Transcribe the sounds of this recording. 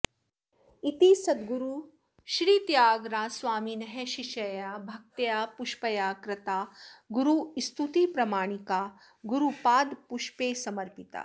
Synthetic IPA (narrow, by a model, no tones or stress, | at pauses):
it̪iːsɐd̪̚ɡuɾu | ʃɾiːt̪jaːɡɾaːsʋaːminɐɦeʃiʃɐjaːbʱɐk̚t̪jaːpuʃpɐjaːkɾɪt̪aːɡuɾust̪ut̪ipɾɐmaːɳ̃ikaː | ɡuɾupaːd̪puʃpeːsɐmɐɾpit̪a̰ː